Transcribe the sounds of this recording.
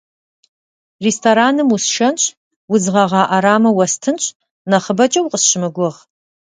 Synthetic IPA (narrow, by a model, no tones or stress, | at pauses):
restʰoɾaːnɨmusʃɐnɕʼ | wʊzʁɐʁɑːʔaɾaːmɐwɐstʰɨnɕʼ | nɐχəbɐt͡ʃʼɐwqʼəsɕɪmɨɡʷʊʁ